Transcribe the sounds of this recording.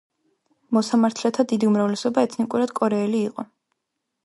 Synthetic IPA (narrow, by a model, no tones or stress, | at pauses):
mɔsamaɾt̪ʰlɛt̪ʰad̪id̪iumɾavlɛsɔbaɛt̪ʰnikʼuɾad̪̥kʼɔɾɛːliːqʼɔ